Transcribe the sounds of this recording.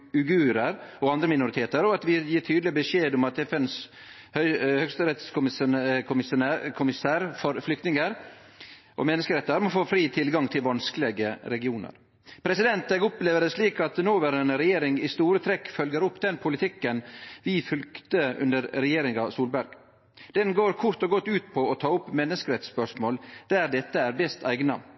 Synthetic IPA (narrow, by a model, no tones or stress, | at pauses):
ʉɡʉːɾəɾɔɑnd̪ɾəmɪnʊɾɪt̪ʰeːt̪əɾɔɑt̪ʋɪjiːʈʰyːd̪lɪbəʂeːd̪ɔmɑt̪ɛfɛns | hœhœɡst̪əɾɛt̪skʊkʰʊmɪskʰʊmɪsæːɾfɔɾflʏkt̪nɪŋəɾ | ʔɔ̰mɛnːəskəɾɛt̪ːəɾmɔfoːfɾiːt̪ʰɪlɡɑŋt̪ʰɪlʋɑnskəlɛɡəɾɛɡɪuːnə̰ɾ | pʰɾɛsɪd̪ɛnt̪ɛɡɔpleːʋəd̪əsʂliːkɑt̪noːʋəɾɛnɾɛjeːɾɪŋɪst̪uːɾət̪ʰɾɛkːfœlɡəɾʊpːd̪ɛnpʰʊlɪt̪ʰɪkːənʋɪfʉlkt̪əʉ̰nd̪əɾɾɛjeːɾɪŋɑsuːlbæɾɡ | d̪̥ɛnɡoːɾkʰʊɾt̪ɔɡɔt̪ːʉːt̪pʰɔɔt̪ʰɑːʊpːmɛnːəskəɾɛt̪spœʂmoːld̪̥æɾd̪ɛt̪ːəæɾbɛst̪æ̰ɪɡnɑ